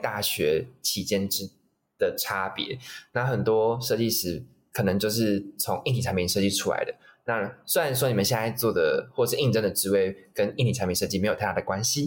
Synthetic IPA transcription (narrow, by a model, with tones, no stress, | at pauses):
t̪a˥˩ɕɥɛ˧˦t͡ɕʰi˨˩t͡ɕjɛ˥˧nʈ͡ʂɻ̩˥ | d̪̥ə˨ʈ͡ʂʰa˥pjɛ̰˧˦na˥˩xə˨˩nt̪wɔ˥ʂɤ˥˧t͡ɕi˥˩ʂɻ̩˧˥ | kʰɤ˨˩nɤ˧˦ŋt͡ɕjo˥˧ʊʂ̬ɻ̩˥˩t͡sʰʊ˧˦ŋi˥˧nt̪ʰi˨˩˧mpʰĩ˨˧ŋʂɤ˥˧t͡ɕi˥˩ʈ͡ʂʰu˥la̰˧˦ɪd̪ə̰˦ | na˥˧swe˥ɻa˨˦nʂ̬wɔ˥ni˨˩mə˨˦ɕja˥˧˩a˥˧ɪt͡swɔ˥˩d̪ə˩xwɔ˥˩˨ʂɻ̩˥˧i˥˧ŋʈ͡ʂə˥ŋd̪ə˨˩ʈ͡ʂɻ̩˧˥we˥˩ɪkə˦ni˥˩nt̪i˨˩a˧˥mpʰi˧˥nʂɤ˥˧t͡ɕi˥˩e˧˥o˨˩tʰa˥˧˩a˥˩ə˩kwa˦nɕi˨